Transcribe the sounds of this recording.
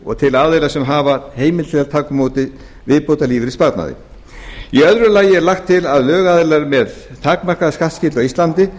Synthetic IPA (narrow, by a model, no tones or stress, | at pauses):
ɔ̰ɣt̪ʰɪlaðejlasɛmɦaːvaheːjmɪlɛːðalt̪ʰaːkʏmoːwt̪ɪ | vɪpowt̪aliːvɪɾispaɾt̪na̰ðɪ̰ | iœðɾʏlaːjɪɛɾlaxt̪ʰːɪlaðlœːɣaːðɪlaɾmɛðt̪ʰaːkmar̥kaðskat̪scɪːt̪lɔɣist̪lant̪ɪ